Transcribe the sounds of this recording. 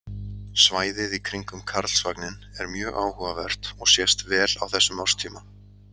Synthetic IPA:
svaːjðɪðikʰɾiŋkʏmkʰaɾðl̥svaknɪnɛɾmjœːɣaːwhuvavɛr̥t̪ɔɣsjɛst̪vɛːla̰wθɛsːʏmaw̥st̪ʰiːma

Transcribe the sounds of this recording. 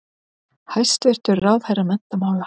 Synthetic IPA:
hajst̪vɛr̥t̪ʏɾrawð̥hajrːamɛn̥t̪amaːwɣa

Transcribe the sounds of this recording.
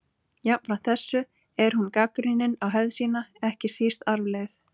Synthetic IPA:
jap̪fɾam̥t̪θɛsːʏ | ɛɾ̥hunkakɾinɪnawɦɛvðsiːnaɛhcɪsist̪aɾvleɣθ

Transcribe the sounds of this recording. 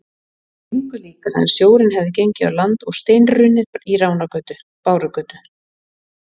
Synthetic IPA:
iŋkʏliːkaɾha̰nːsjoːwɾɪnɦɛvðɪcejɲcɪa̰wlant̪ɔɣst̪eːjnrʏnːɪðiɾaːwnakœːt̪ʏ | paːwɾʏkœːt̪ʏ

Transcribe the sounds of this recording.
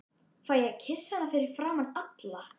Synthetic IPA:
θfvaːjɛɣcʰɪsːhanːafɪɾɪɾ̥fɾaːmanːat̪la

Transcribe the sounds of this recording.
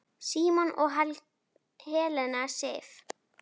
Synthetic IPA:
siːmɔnʔɔɣɦal | hɛːlɛnasɛːf

